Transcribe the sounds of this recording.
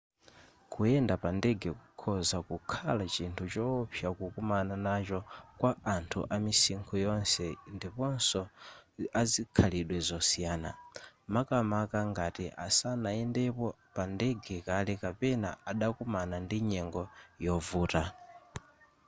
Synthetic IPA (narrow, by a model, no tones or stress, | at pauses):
kuɛndapandɛɡɛkukʰɔzakukʰalat͡ʃintʰut͡ʃɔpʰjakukumananat͡ʃɔkwaantʰṵʔamisiŋkʰɔjɔnsɛndipɔnsɔ | azikʰaliɗwɛzɔsijaːna̰makamakaŋɡatiʔasanaɛndɛpɔ | pandɛɡɛkalɛkapɛna̰aɗakumanandiɲɛŋɡɔjɔvuːta